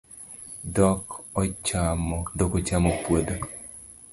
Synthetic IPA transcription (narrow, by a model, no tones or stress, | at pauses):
dɔkɔt͡ʃamɔdɔkɔt͡ʃamɔpwod̪o